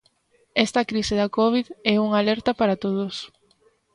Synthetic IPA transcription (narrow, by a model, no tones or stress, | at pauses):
ɛst̪ɐkɾisɪðɐkɔβ̞iðɛuŋalɛɾt̪ɐpaɾat̪oð̞ʊs